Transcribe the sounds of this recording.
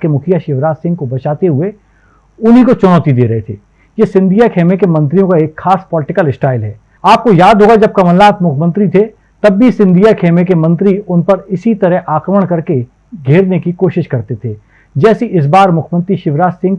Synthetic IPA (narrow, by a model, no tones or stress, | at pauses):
kemʊkʰijaʃɪʋɾaːssɪ̃ŋɡ̚kobɐt͡ʃaːt̪eɦʊe | ʊnɦikot͡ʃʊnɔːt̪id̪eːɾɐɦet̪ʰḛː | jesɪ̃nd̪ʱijakʰeːmekemɐ̃nt̪̬ɾijõkaeːkxaːspɔːlɪʈɪkəlɪsʈaːɪlɦɛː | aːp̚kojaːd̪ʱɦoːɡad͡ʒɐb̚kɐməlːaːt̪mʊkʰmə̃nt̪ɾit̪ʰe | t̪ɐbːisɪ̃nd̪ʱijakʰeːmekemɐ̃nt̪ɾiʊnpɐɾɪsit̪ɐɾɛɦʔaːkɾəməɽ̃kɐɾke | ɡʱeːɾnekikoːʃɪʃkɐɾt̪et̪ʰeː | d͡ʒɛːseʔɪs̬baːɾmʊkʰmə̃nt̪ɾiʃɪʋɾaːssɪ̃ŋɡ